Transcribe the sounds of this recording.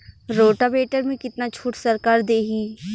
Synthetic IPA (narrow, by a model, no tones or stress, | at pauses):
ɾoːʈabeːʈəɾmẽkɪt̪nat͡ʃʰuːʈsəɾkaːɾd̪eːɦiː